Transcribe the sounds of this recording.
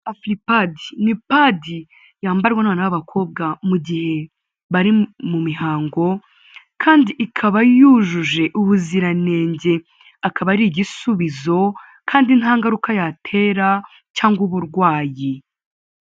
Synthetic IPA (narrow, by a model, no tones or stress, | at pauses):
afɾipadinipadi | jaːmbaɾɡwanaːnawaβakʰo̞ːb̚ɡamuɟihe̞ | βaɾimumiɦaːŋɡo̞ | kʰaːndiʔːkʰaβajuʒuʒe̞ʔuβuziɾane̞ːɲɟe̞ | akʰaβaɾiɟisuβizo̞ | kʰaːndinhaːŋɡaɾukajatʰe̞ːɾa | caːŋɡwuβuɾɡwaːji